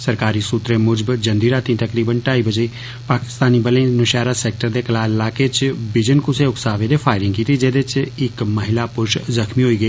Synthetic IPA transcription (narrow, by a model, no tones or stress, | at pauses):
səɾkaːɾisuːt̪ɾẽmʊd͡ʒəbd͡ʒə̃nd̪iːɾaːt̪ĩt̪əkɾiːbənʈaːibəd͡ʒei | paːkɪ̥st̪aːnibəlẽnʊʃaːɾaseːk̚ʈəɾd̪ekɐlaːɪlaːket͡ʃbɪd͡ʒənkʊseʊksaːʋẽd̪efʰaːɪɾɪ̃ŋɡkiːt̪id͡ʒeːd̪et͡ʃɪkmɐɦɪlapʊɾʃzəxmiɦoːiːɡəiː